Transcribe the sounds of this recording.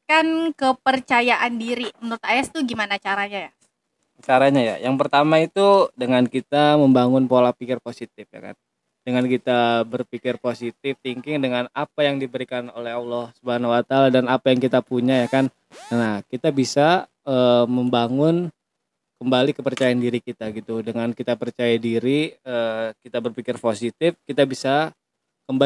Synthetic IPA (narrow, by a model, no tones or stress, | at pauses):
kankəpərt͡ʃajaʔandiɾimənəɾʊt̪̚ajast̪uɡimanat͡ʃaɾaɲaja | t͡ʃaɾaɲaja̰jaŋpərt̪amait̪udəŋankit̪aməmbaŋʊnpolahpikɪrposit̪̚ɪfja̰ka̰n | d̥əŋankit̪abərpikɪrposit̪̚ɪft̪iŋkɪŋdəŋanapajaŋdibəɾikanolɛɦɔlːɔhsubaanawat̪aaladanapajaŋkit̪apuɲajakan | nahkit̪abisa | əməmbaŋʊn | kəmbalikəpərt͡ʃajaandiɾikit̪aɡit̪udəŋankit̪apərt͡ʃajadiɾiəkit̪abərpikɪrposit̪ɪfkit̪abisa | kəmba